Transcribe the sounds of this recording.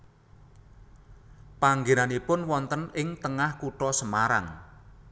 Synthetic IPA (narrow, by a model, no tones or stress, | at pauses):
paŋɡenanipʊnwɔnt̪ənɪŋt̪əŋahkuʈɔsəmaɾa̰ŋ